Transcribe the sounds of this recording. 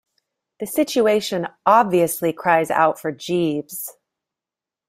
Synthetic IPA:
ðɨsɪt͡ʃueɪʃɨ̃nʔɑbviɨslikʰɹ̥aɪza̰ʊtfə˞d͡ʒibz̥

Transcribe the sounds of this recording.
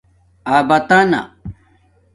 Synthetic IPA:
aːbɐt̪ana̰

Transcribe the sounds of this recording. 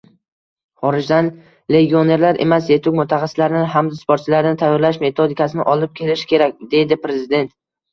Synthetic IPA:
χɒɾɪd͡ʒd̪an | le̞ɡʲio̞ne̞ɾlaɾʔe̞̰mas̬je̞t̪ʰʊwmʊt̪ʰaχɑsːɪlaɾnɪɦamd̪spʰoɾt̪t͡ʃʰɪlaɾnɪt̪ʰajːɒɾlaʃme̞t̪ʰod̪ɪkʰʲasɪnɪʔɒlˠɪp̚kʲʰe̞lɪʃɪ̥kʲʰe̞ɾakʲd̪e̞jd̪ɪpɾe̞zɪd̪e̞nt̪

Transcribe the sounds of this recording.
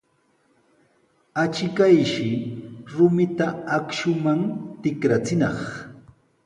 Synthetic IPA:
at͡ʃɪkajʃɪɾʊmɪt̪aakʃʊmaŋt̪ɪkɾat͡sɪnɑχ

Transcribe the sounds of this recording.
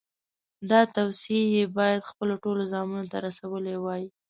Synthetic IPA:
d̪ɑt̪awsijebɑjad̪xpəloʈolozɑmunot̪aɾasawəlewɑji

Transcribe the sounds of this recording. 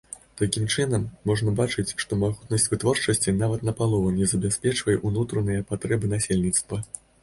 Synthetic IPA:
t̪akʲimt͡ʂɨnɐmːɔʐnɐbat͡ʂɨt͡sʲʂt̪ɔmaɣut̪nɐsʲt͡sʲvɨt̪vɔrt͡ʂɐsʲt͡sʲinavɐt̪nɐpalˠɔvɐnʲɛzɐbʲɛsʲpʲɛt͡ʂvɐjɛʔunut̪ɾɐnɨjɐpat̪ɾɛbɨnasʲelʲnʲit̪st̪vɐ

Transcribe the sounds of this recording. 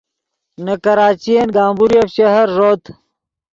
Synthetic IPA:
nɐkɐɾaːt͡ɕijenɡaːmbuɾiɐfɕɐɦɐɾʐoːt̪

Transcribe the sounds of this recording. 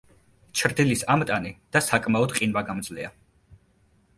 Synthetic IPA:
t͡ʃʰɾd̪ilisamt̪ʼanid̪̥asakʼmaɔd̪qʼinvaɡamd̪zlɛa

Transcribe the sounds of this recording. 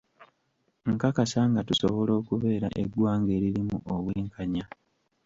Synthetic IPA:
ŋkakasaŋɡatuso̞̰βo̞lo̞ːkuβe̞ːɾa̰ʔḛɡwaːŋɡe̞ːɾiɾimuʔoβweːŋkʰaɲa

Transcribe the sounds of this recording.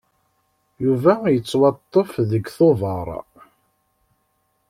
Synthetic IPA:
juvæjət͡sːwɑt̪ˤːəfðəɡθovɑɾˤ

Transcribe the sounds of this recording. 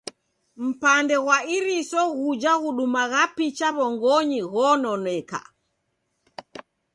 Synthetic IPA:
m̩pandɛɣwaiɾisɔɣud͡ʒaɣuɗumaɣapit͡ʃaβɔŋɡɔɲiɣɔnɔnɛka̰

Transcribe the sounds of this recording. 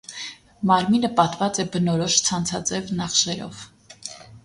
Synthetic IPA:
mɑɾminəpɑt̪vɑt͡sɛbənɔɾɔʃt͡sʰɑnt͡sʰɑt͡sɛvnɑχʃɛɾɔ̰v̥

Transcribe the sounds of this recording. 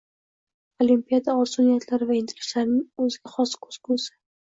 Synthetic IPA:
olimpʲijad̪aɒɾsonijat̪ʰlaɾɪvaɪnt̪ʰeɾɪslaɾnɪŋɵzɪɡʲaχɒskʰɵz̥kʰʊsɪ̥

